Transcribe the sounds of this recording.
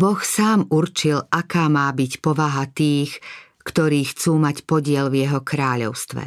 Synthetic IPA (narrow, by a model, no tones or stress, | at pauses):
bɔxsaːmuɾrt͡ʃilʔakaːmaːbicpɔʋaɦat̪iːx | kt̪ɔɾiːxt͡suːmacpɔɟɪɛlvjɛɦɔkɾaːʎɔ̰ʊst̪ʋɛ̰